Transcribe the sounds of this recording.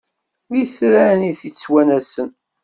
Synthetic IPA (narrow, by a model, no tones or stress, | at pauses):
ðiθɾæniθit͡sːwænæsən